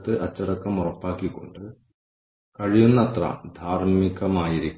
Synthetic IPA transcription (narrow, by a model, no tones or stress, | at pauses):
t̪ːɨʔɐt͡ɕːɐɽɐkːɐmurɐpːaːkːikːo̞̰ɳɖɨ | kɐɻijunːɐt̪rɐ̰d̪ʱaːrmiɣɐmaːjiɾikʲː